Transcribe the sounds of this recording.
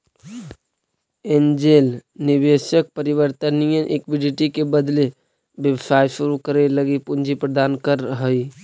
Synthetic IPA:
end͡ʒelnibesək̚pəɾibəɾt̪ənijənʔekbiɖiʈikebəd̪le | bjəʋəsajsuɾukəɾeləɡipund͡ʒʱipɾəd̪ankəɾəɦəi

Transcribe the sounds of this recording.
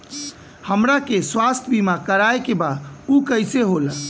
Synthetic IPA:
həmɾakeswast̪ʰəbimakəɾajkebaukəɪseɦol

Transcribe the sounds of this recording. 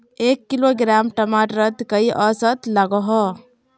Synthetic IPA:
eːkːiloɡɾaːmʈɐmaʈɾəd̪kəiʔɔsət̪ləɡɔɦɔ

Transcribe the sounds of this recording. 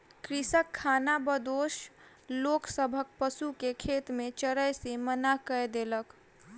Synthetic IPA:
kɾisəkʰːanabəd̪oʃ | loksəbʱək̚pəsukekʰet̪mẽt͡ʃəɾəjsemənakəjd̪elək

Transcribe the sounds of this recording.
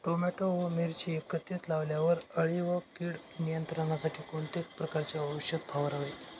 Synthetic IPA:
ʈomɛʈoʋəmiɾt͡ɕikət̪et̪laʋljaʋəɾəɭiʋəkiːɽ | nijənt̪ɾəɳ̃asaʈʰiːkoɳt̪ek̚pɾəkaɾt͡ɕaəʋəʂjət̪̚bʰʱaʋəɾaʋe

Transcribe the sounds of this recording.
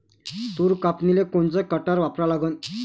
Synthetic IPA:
t̪uɾkapnilekoɳt͡sakəʈaɾʋapɾalaɡən

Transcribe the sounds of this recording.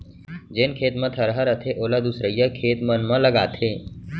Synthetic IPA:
d͡ʒeːnkʰeːt̪mə̃t̪ʰəɾɦəɾət̪ʰeʔoːlad̪usɾəjːəkʰeːt̪mənmɐ̃ləɡaːt̪ʰeː

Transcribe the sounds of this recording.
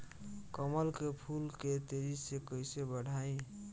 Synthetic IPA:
kəməlkepʰulket̪eɾisekəjsebəɽ̤ʱaĩ

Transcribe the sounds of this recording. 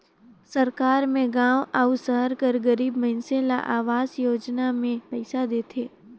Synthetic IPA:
sɐɾkaːɾmẽɡãːʋʔaʊsəɦəɾkɐɾɡɐɾiːbmɐɦɪnsela̰ʔaːʋaːzjoːd͡ʒnamẽpɛɪsad̪eːt̪ʰeː

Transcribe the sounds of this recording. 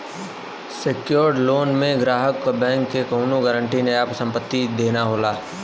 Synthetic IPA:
sekjoːɾɖloːnmẽɡɾaːɦəkːbɛ̃ːŋkːekoʊnoɡəːɾəɳʈineaːpsə̃mpət̪ːid̪eːnaɦoːlaː

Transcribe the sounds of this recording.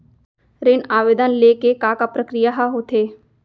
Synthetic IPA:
ɾɪnaːʋeːd̪ənlekekaːkapɾəkɾijaɦaɦot̪ʰeː

